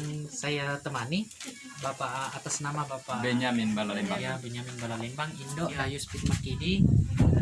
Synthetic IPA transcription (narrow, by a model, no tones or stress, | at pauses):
nsajat̪əmani | bapaʔat̪asnamabapabeɲaminbalalimbajabɛɲaminbalalimbaŋindɔʔajuspit̪̚makidi